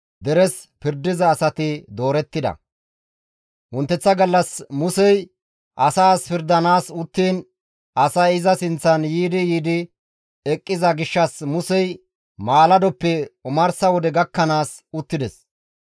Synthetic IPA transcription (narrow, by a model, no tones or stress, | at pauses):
d̪ɛɾɛs | pɪɾd̪ɪzɐːsɐt̪ɪd̪o̞ːɾɛt̪ːɪd̪ɐ̰ | wʊnt̪ːɛt͡sːɐɡɐlːɐsmʊsɛj | ʔɐsaːspɪɾd̪ɐnaːsʊt̪ːiːn | ɐsɐɪzɐsɪnt͡sːɐnjiːd̪ɪjiːd̪ɪ | ɛkʼːɪzɐɡɪʃːɐsmʊsɛj | maːlɐd̪ɔpːɛʊmɐɾsɐwɔd̪ɛɡɐkːɐnaːsʊt̪ːɪd̪ɛs